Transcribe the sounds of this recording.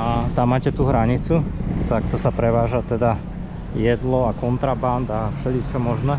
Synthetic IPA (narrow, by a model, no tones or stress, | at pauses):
at̪amːaːcɛt̪uɦɾaɲit͡sut̪ak̚t̪ɔsapɾɛʋaːʒat̪ɛd̪a | jɛd̪lɔakɔnt̪ɾaband̪afʃɛlit̪t͡ʃɔmɔʒnɛ